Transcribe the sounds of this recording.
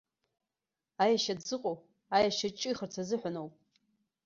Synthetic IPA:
ajaʃadzɨqʼo | ajaʃat͡ʃʼɪiχərt͡sʰazɨħʷanowpʼ

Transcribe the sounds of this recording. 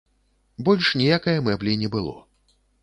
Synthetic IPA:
bɔlʲʂnʲijakɐjɐmɛblʲinʲɛbɨlˠɔ̰

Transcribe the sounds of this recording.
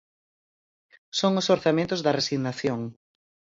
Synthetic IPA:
soŋʊsoɾθamẽnt̪ʊzðɐresiɣnaθjoŋ

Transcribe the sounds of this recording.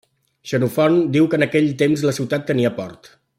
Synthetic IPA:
ʃənufɔnd̪iwkəːnəkɛʎt̪emzləsiwt̪at̪ːəniəpɔ̰rt̪

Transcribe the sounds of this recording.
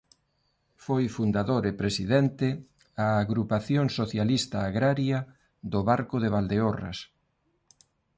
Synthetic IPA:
fojfund̪aðoɾepɾesiðɛnt̪ɪ | aːɣɾupaθjoŋsoθjalist̪aːɣɾaɾja | ðoβaɾkʊðeβald̪eora̰s

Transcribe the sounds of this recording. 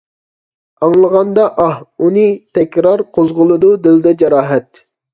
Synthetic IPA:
ɑŋlˠəʁɑnd̪ɑʔɑhunɨt̪ʰɛkʲɾɑɾqʰozʁʊlˠɨd̪ud̪ɪld̪ɛd͡ʒɑɾɑːɦɛt̪̚

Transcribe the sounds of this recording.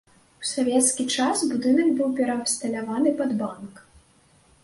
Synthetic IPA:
usavʲɛt̪skʲit͡ʂasbud̪ɨnɐɡbɨwpʲɛɾɐːpst̪ɐlʲavanɨpɐd̪bank

